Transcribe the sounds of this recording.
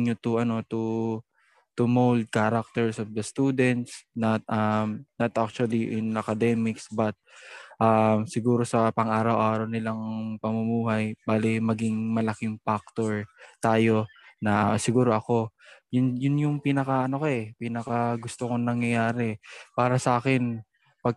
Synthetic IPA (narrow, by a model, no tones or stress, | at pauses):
ɲot̪ʊʔɐno̞t̪u | t̪ʊmowld̪̚kaɾak̚t̪ɛɹsofd̪ɐst̪ud̪ɛnt̪snɐt̪̚ʔɐmnɐt̪ʔak̚t͡ʃuɐliʔɪnɐkɐd̪ɛmɪksbɐt̪̚ʔamsɪɡuːɾo̞sɐpɐŋʔaːɾɐwʔaːɾɐwnɪlaŋpɐmʊmuːɦɐjbaːlɪmɐɡɪŋmɐlɐkɪŋfak̚t̪oɹt̪aːjo̞nɐʔsɪɡuːɾo̞ʔɐko̞jʊnjʊnjʊŋpinɐkɐʔɐno̞koʔɛpinɐkɐɡʊst̪okoŋnɐŋjɐjaːɾɛpaːɾɐsɐʔaːkɛn | pɐɡ̚